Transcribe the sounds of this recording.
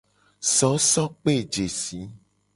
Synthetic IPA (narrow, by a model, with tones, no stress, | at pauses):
sɔ˨˦sɔ̃˦k͡pe˦˨d͡ʒe˨si˨˦